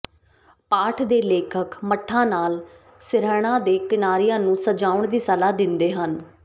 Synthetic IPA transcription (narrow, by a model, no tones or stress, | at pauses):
paːʈʰd̪eːleːkʰəkməʈʰːãːnaːl | sɪɾɛːɽ̃ãːd̪eːkɪnaːɾijãːnũːsəd͡ʒaːʊɳd̪iːsəlaːd̪ɪnd̪eːɦən